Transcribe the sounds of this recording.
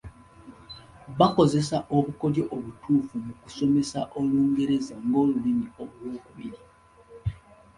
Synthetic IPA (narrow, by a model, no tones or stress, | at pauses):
βako̞ze̞saʔo̞βuko̞ɾjeʔoβutʰuːfumuku̥so̞me̞saʔo̞luːŋɡe̞ɾe̞zaŋɡo̞ːlulimioβulwoːkuβili